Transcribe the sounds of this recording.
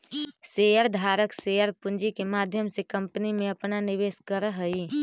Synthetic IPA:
seːjəɾd̪ʱaːɾəkseːjəɾpʊ̃nd͡ʒikemaːd̪ʱjəmsekɐ̃mpənimẽɐpnanɪʋeːskəɾɦəi

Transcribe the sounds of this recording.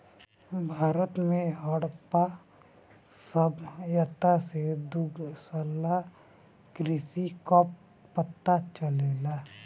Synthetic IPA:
bʱaːɾət̪mẽɦəɽpa | səbjat̪ʰased̪ʊɡsəla | kɾisikɔːp | pət̪ːat͡ʃəleːla

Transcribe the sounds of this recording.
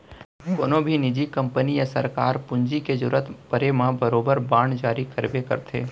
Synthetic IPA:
koːnõbʱinɪd͡ʒikə̃mpənijəsəɾkaːɾpʊɲd͡ʒiked͡ʒʊɾət̪pəɾemãbəɾoːbəɾbaːɳd͡ʒaːɾikəɾbekə̰ɾt̪ʰḛː

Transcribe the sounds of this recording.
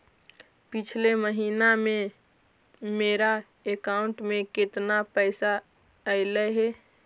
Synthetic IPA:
pɪt͡ʃʰleməɦiːnamẽ | meːɾa | ekaʊ̃ɳʈmẽkɪt̪napəɪsa | əɪləɦe

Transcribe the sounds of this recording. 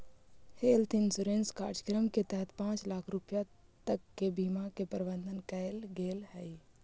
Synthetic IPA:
heːlt̪ʰinsuɾẽːnskaːɾʃəkɾəmket̪ɛɦət̪pãːt͡ʃlaːkʰɾupjat̪əkːebiːmakepəɾɪbə̃nd̪ʱənkəɪlɡeːlhɛj

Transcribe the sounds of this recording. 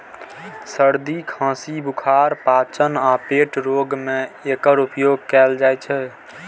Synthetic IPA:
səɾd̪ikʰãːsibukʰaɾpat͡ʃənapeʈɾoɡmeekəɾupjoɡkɛld͡ʒajt͡ʃʰɛ

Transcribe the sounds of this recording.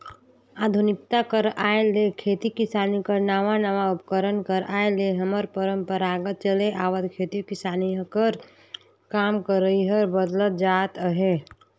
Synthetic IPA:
aːd̪ʱunɪk̚t̪akəɾaelekʰeːt̪ikisaːnikəɾnaːʋanaʋaupəkəɾənkəɾaːeleɦəməɾpəɾəmpəɾaɡət̪̚t͡ʃəleʔaːʋəd̪kʰet̪ikɪsaːnikəɾ | kaːmkəɾəiɦəɾbəd̪lət̪̚d͡ʒat̪əɦe

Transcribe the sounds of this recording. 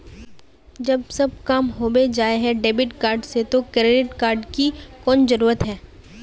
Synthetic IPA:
d͡ʒɐbsɐb̚kaːmɦoːbed͡ʒaːeɦɛɖeːbɪʈkaːɾɖset̪okɾeɖɪʈkaːɾɖkikɔːnd͡ʒɐɾuːɾət̪ɦɛː

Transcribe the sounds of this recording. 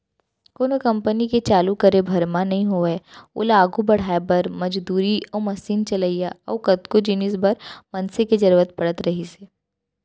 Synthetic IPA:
koːnokɐ̃mpəniket͡ʃaːlukɐɾebʱɐɾmanɐɦĩɦoeʊ̰laːɡubɐɽ̤aːebɐɾmɐd͡ʒd̪uːɾiɔːmɐsiːnt͡ʃɐləijaɔ̰ːkɐt̪kod͡ʒinɪsbɐɾmɐnseked͡ʒɐɾʋət̪̚pɐɽət̪ɾɐɦiseː

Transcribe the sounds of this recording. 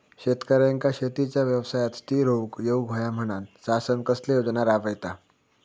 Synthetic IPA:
ɕet̪kəɾjãŋkaɕet̪it͡ɕjaʋjəʋsajat̪st̪iːɾoʋkjeuɡʱəjam̤əɽ̃ansasənkəslejod͡znaɾaʋəjt̪a

